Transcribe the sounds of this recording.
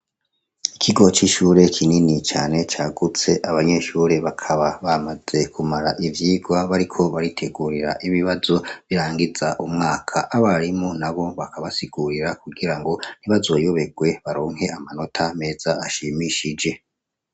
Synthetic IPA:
ikʰiɡo̞t͡ʃiʃuːɾe̞kʰininit͡ʃaːne̞t͡ʃaːɡut͡se̞ʔaβaɲe̞ʃuːɾe̞βakʰaβaβamaze̞kʰumaɾaʔivjiːɡwaβaɾikʰo̞βaɾitʰe̞ɡuːɾiɾaʔiβiβazo̞βiɾaːŋɡizaʔumŋaːkʰaʔaβaɾimonaβo̞βakʰaβasiɡuɾiɾakuɡiɾaŋɡo̞n̥iβazojoβe̞ɡwe̞βaɾoːŋɦe̞amano̞tʰame̞ːz̥aaʃiːmiʃid͡ʒe̞

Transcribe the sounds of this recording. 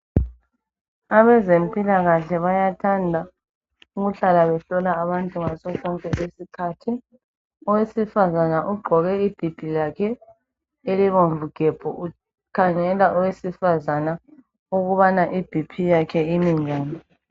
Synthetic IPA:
aβɛzem̩pʼilaɣaɬɛβajatʰandʱa | uɣuɬalaβɛɬɔlaːβantʼuŋasɔkɔŋkʼɛʔesikʰatʰi | ɔwesifazanaʔuɡ͡ǃʱɔɣɛib̥ʱib̥ʱijakʰɛ | eliβoɱvuɡ̥ʱɛb̥ʱɔʔu | kʰaŋɛlaʔɔwesifazana | uɣuβanaʔib̥ʱipʰijakʰɛimiŋaːnɛ

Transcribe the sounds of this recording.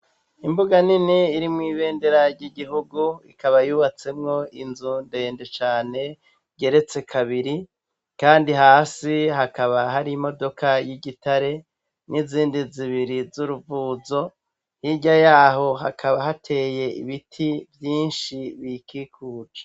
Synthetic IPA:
imbuɡaniniiɾimŋiːβe̞ːnde̞ɾaɾɟiɡiɦuɡuḭkaβajuːβat͡se̞mŋo̞inzunde̞ːndet͡ʃaːne̞ | ɟe̞ɾe̞t͡se̞kʰaβiɾi | kaːndiɦaːsiɦakaβaɦaɾiːmo̞do̞kajiɟitaɾe̞ | nʔiziːndiziβiɾizuɾuvuːzo̞ | hiɟajaːɦo̞ɦakʰaβaɦatʰe̞ːje̞ḭβitʰivjiːnʃiβikikʰuːd͡ʒe̥

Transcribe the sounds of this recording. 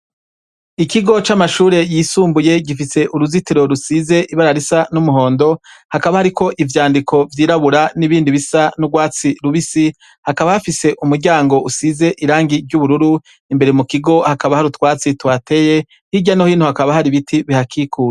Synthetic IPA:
ikiɡo̞t͡ʃamaʃuːɾe̞jiːsuːmbuje̞ɡifise̞ʔuɾuzitiɾo̞ɾusize̞ʔiβaɾaɾisanumuɦo̞ːndo̞hakaβahaɾikʰo̞ʔivjaːndikʰo̞vjiːɾaβuɾaniβiːndiβisanuɡwaːt͡siɾuβisi | hakaβahafise̞ʔumuɾɟaːŋɡo̞ʔusize̞ʔiɾaːŋɡiɾɟuβuɾuɾu | imbe̞ɾe̞mukiɡo̞hakaβahaɾutwaːt͡sitwate̞je̞ | hiɟanohiːn̥huhakaβahaɾiβitʰiβihakʰikʰuːɾe

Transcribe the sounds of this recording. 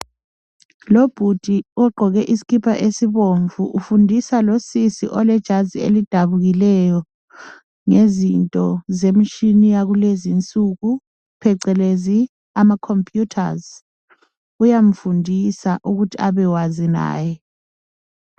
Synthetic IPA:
lob̥ʱud̥ʱiɔɡ͡ǃʱɔɣɛʔisi̥kʰipʰaʔesiβoɱvuʔːfundʱisalosisḭʔɔlɛd̥ʒ̥ʱaziḛlid̥ʱaβuɣilɛjɔ | ŋezintʼɔzemit͡ʃʼinijaɣulezint͡sʼuɣu | pʰɛǀɛlezi | amakʰɔmpʼʰjutʰa̰z | ujaɱ̩fundʱisaʔuɣutʰiaβɛwazina̰ːjɛ

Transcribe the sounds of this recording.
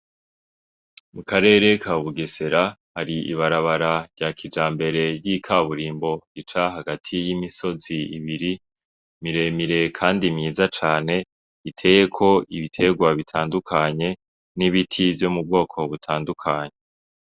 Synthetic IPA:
mukaɾe̞ːɾe̞kʰaβuɡe̞se̞ɾahaɾiḭβaɾaβaɾaɾɟakʰid͡ʒaːmbe̞ɾe̞jikʰaβuɾiːmbo̞it͡ʃaɦaɡatʰijimiso̞ziiβiɾi | miɾe̞miɾe̞kʰaːndimɲiːzat͡ʃaːne̞ | itʰe̞je̞kʰo̞iβitʰe̞ɡwaβitʰaːndukʰaɲe̞ | niβitʰivjo̞mub̚ɡo̞ːkʰo̞βutʰaːndukʰaɲe

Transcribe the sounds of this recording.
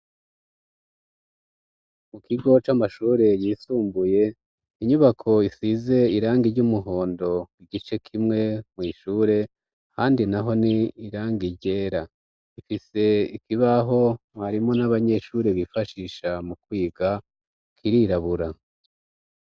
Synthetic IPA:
mukiɡo̞t͡ʃamaʃuːɾe̞jiːsuːmbuje̞ | iɲuβakʰo̞isize̞iɾaːŋɡiɾɟumuɦo̞ːndo̞iɡit͡ʃe̞kʰimŋe̞mŋiːʃuːɾe̞ | haːndinaɦo̞niːɾaːŋɡiɾɟe̞ːɾa | ifise̞ikiβaɦo̞ | βaɾimo̞naβaɲe̞ʃuːɾe̞βifaʃiːʃamukwiːɡa | kʰiɾiɾaβuɾa

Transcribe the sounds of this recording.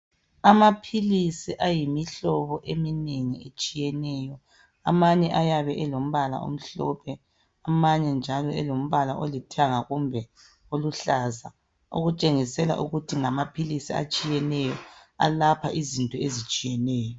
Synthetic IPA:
amapʰilisiʔajimiɬɔβɔʔemineŋiet͡ʃʼijɛnɛːjɔ | a̰maɲɛʔajaβɛʔɛlom̩βala̰ʔo̰m̩ɬɔ̰pʰɛ | amaɲɛnd͡ʒʱalɔɛlom̩βalaʔolitʰiaŋaɣumbʱɛ | oluɬaza | ṵɣut͡ʃʼeŋisɛla̰ʔṵɣutʰiŋamapʰilisia̰t͡ʃʼijɛnɛjɔa̰lapʰaʔizintʼɔezit͡ʃʼijɛnɛːjɔ

